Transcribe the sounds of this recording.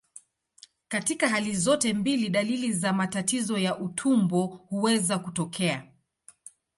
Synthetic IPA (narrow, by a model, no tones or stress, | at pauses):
katikaɦalizɔtɛmbiliɗalilizamatatizɔjaʔutʰumbɔhuwɛzakutɔkʰɛa